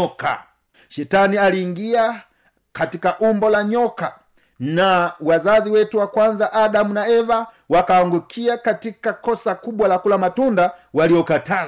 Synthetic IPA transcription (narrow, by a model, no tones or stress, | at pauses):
ɔka̰ | ʃɛtanialiːŋɡia | katikaʔumbɔlaɲɔka | nawazaziwɛtuwakwanzaʔaɗamunaɛva | wakaaŋɡukʰiakatikakɔsakuɓwalakulamatundawaliɔkata